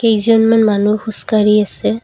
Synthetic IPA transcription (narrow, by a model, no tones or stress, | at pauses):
kejzɔnmanmanuhuskaɹiasɛ